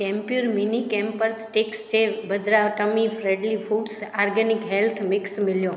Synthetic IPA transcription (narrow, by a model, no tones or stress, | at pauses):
kɛ̃mpjuɾminikɛ̃mpəɾsʈekst͡ʃʰebəd̪ɾaʋʈəmifɾɛɖlifuɖsaɾɡənikɦɛlt̪ʰmɪksmɪljõ